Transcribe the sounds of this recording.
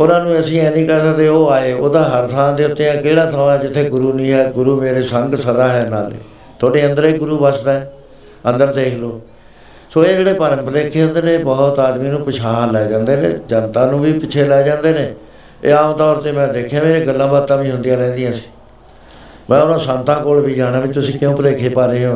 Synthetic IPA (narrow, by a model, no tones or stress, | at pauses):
ʊnãːnũːəsĩːɛ̃ːnĩːkɛːsəkd̪eːoːaːeːoːd̪ãːɦəɾt̪ʰãːd̪eːʊt̪ːeːãːkeːɽaːt̪ʰãːɛːd͡ʒɪt̪ʰːeːɡʊɾuːnĩːɦɛːɡʊɾuːmeːɾeːsəŋɡsəd̪aːɦɛːnaːlḛː | t̪ʰoːɽeːənd̪əɾeːɡʊɾuːbəsd̪aːɛː | ə̃nd̪əɾd̪eːkʰloː | soːeːd͡ʒeːɽeːpəɾəmpəɾeːkʰːeːɦʊnd̪eːnẽːbɔːt̪aːd̪miːnũːpət͡ʃʰãːlɛːd͡ʒãːnd̪eːnḛ̃ːd͡ʒənt̪ãːnũːʋiːpɪt͡ʃʰeːlɛːd͡ʒãːnd̪eːneː | ḛːaːmt̪ɔːɾt̪eːmɛ̃ːd̪eːkʰːjãːmeːɾeːɡəlːãːbaːt̪ːãːbiːɦʊ̃nd̪ijãːlɛ̃ːnd̪ijãːsĩ̥ː | mɛ̃ːʊnãːsə̃nt̪ãːkoːlbiːd͡ʒaːɽaːbɪt͡ʃːt̪ʊsĩːkɪjõːpəɾeːkʰeːpaːɾeːɦõː